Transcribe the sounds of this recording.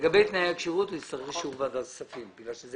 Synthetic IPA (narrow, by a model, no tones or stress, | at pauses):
ɡabejt̪najaakʃiʁut̪ujist̪aʁeʃuvad̪azsafimbiɡlalʃez